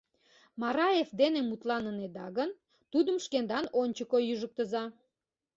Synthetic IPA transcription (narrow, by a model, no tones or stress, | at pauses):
mɑɾɑjefd̪enemut̪lɑnəned̪ɑɣən | t̪ud̪əmʃkend̪ɑnonʲt͡ɕəkojyʒək̚t̪əzɑ